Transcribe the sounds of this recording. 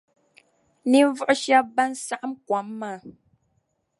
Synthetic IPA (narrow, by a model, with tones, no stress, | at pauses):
ni˨˦vu˦ʔʃja˦ba˦n̩˦sa˦ʔm̩˦kwa˨˦mːa˦˨